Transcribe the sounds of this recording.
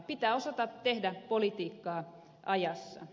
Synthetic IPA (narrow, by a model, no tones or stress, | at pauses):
pit̪æːosɑt̪ɑtt̪ːehdæpolit̪iːkːɑː | ʔɑjɑsːɑ̰